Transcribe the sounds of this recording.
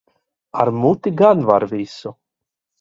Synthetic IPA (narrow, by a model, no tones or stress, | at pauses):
a̰ɾmut̪iɡanvaɾvʲisu